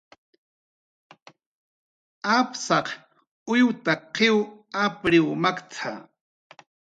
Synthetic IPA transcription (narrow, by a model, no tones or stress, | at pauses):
apsɑq | ʊjwt̪aqɪwapɾɪwmakt͡sʰa̰